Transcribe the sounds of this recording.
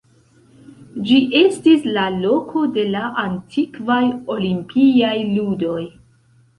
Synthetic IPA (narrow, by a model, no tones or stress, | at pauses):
d͡ʒiʔe̞stislalo̞kʰo̞de̞laʔantʰikvajo̞limpʰiajludo̞j